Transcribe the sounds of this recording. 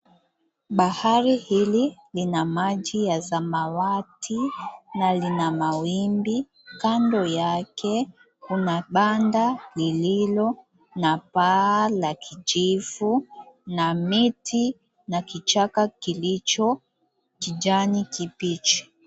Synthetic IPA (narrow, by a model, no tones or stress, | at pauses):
ɓahaɾihililinamaʄijazamawatʰinalinamawimbi | kandɔjakɛ | kunaɓandalililɔ | napalakʰit͡ʃivunamitʰi | nakit͡ʃakakilit͡ʃɔ | kid͡ʒanikipit͡ʃi̥